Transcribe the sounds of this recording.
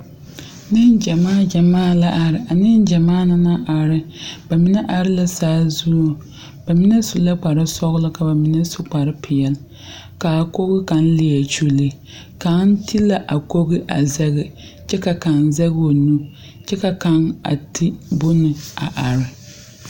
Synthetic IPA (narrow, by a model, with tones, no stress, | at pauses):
nɨ˦nd͡ʒɛ˨maː˦˨d͡ʒa˨maː˦˨la˦ʔa˨ɾɪ˨a˨nɨ˦n˦d͡ʒa˨maː˦na˦na˦ʔa˨ɾɪ˦b̥a˨mi˦nɛ˦ʔa˨ɾɪ˦la˦saː˦zuː˦˨ | b̥a˨mi˦nɛ˦su˨la˦k͡pa˨ɾɨ˦sɔ˦ɣlɨ˦ka˨ba˨mi˦nɛ˦sʊ˦k͡pa˨ɾɨ˦pʰɪ˨jɛ˨l | ka˨a˨ko˦ɣɪ˦ka˨n̩˦lɪ˨ɛ˨t͡ʃu˦li˦ | ka˨˦n˦ti˦la˦ʔa˨ko˦ɣɪ˦ʔa˨zɛ˦ɣɪ˨ | t͡ʃɛ˦ka˨ka˨nzɛ˦ɣo˨nu˦ | t͡ʃɛ˦ka˨ka˨ŋa̰˨tʰi˦bʊ˦nɨ˨a˨ʔa˨ɾɪ˨